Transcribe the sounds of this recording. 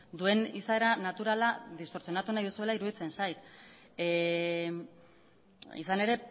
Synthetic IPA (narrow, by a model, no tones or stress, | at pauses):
d̪ue̞nisaeɾanat̪uɾalaðist̪o̞ɾsio̞nat̪unajðusue̞laiɾuðit͡se̞nsajt̪ | ḭsane̞ɾe̞